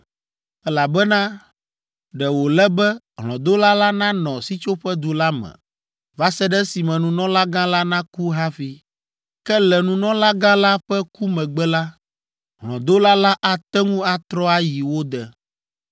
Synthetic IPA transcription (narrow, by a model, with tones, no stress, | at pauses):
ɛ˦la˨bɛ˦nã˦ | ɖɛ˨wo˨lɛ˦bɛ˦ | ɦlɔ̰̃˨d̪o˦la˦la˦nã˦nɔ̃˨si˦t͡ʃo˦ɸɛ˦d̪u˨la˦mɛ̰̃˨ | va˦sɛ˦ɖɛ˦si˨mɛ̃˨nũ˨nɔ̃˦la˦ɡã˦la˦nã˦ku˦ɦa˦fi˦ | kɛ˦lɛ˨nũ˨nɔ̃˦la˦ɡã˦la˦ɸɛ˦ku˦mɛ̃˨ɡ͡bɛ˦la˦ | ɦlɔ̰̃˨d̪o˦la˦la˦ʔa˨t̪ɛ˦ŋũ˦a˦t̪ɾɔ˦a˦ji˨wo˦d̪ɛ˨